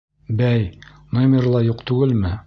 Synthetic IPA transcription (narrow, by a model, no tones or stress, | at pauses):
bæj | nomʲerlˠɑjuqt̪ʉɡɘlmɘ